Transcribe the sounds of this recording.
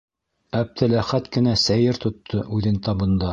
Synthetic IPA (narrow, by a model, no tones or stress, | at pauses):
æp̚t̪ʰɘlæχæt̪kɘ̆næsæjɘɾt̪ŏt̪ʰːɤʔʉðɘnt̪ɑbɤ̆nd̪ɑ